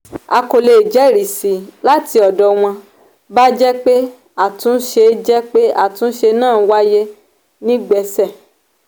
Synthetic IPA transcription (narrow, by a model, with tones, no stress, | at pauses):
a˧ko˨le˧˨d͡ʒɛ˨˦˨ɾi˨si˨la˦ti˧ɔ˨dɔ˨w̃ɔ̃˧ | ba˦d͡ʒɛ˦k͡pe˦ | a˦˨tũ˨˦ʃe˧d͡ʒɛ˦k͡pe˦a˦˨tũ˨˦ʃe˧nãː˦˨˦wa˦je˦ | nĩ˦ɡ͡bɛ˧˦sɛ˦˨